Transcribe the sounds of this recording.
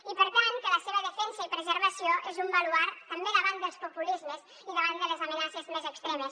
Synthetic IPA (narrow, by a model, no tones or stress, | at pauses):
ipəɾt̪aŋkələseβəðəfɛnsəipɾəzəɾβəsioʔezumbaluaɾt̪əmbeðəβanəlˠspupulizməz | iðəβand̪əlezamənasezmezəkst̪ɾɛməs